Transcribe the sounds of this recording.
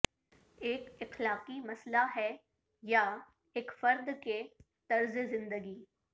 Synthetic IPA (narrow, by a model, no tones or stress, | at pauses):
eːkɪxlaːqimɐslaɦɛ | ja | eːkfɐɾd̪ke | t̪ɐɾzezɪ̃nd̪əɡiː